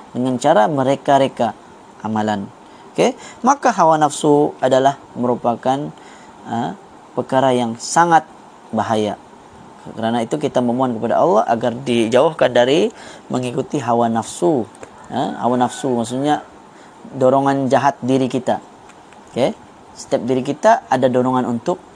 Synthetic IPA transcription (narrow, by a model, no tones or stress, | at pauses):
dəŋant͡ʃaɾaməɾekaɾeka | ʔːmalan | okemakaɦawanafsuadalah | məɾupakan | ə | pərkaɾajaŋsaŋat̪̚ | baɦaja | kəɾanait̪ukit̪aməmuankəpada̰ʔɑlːɑha̰ɡardid͡ʒauhkandaɾimʔəŋikut̪iɦawanafsu | ə̰ha̰wanafsumaks̬uɲa | doɾɔŋand͡ʒaɦat̪̚diɾikit̪a | oke | sə̥t̪ɛp̚diɾikit̪aadadoɾɔŋanunt̪ʊk̚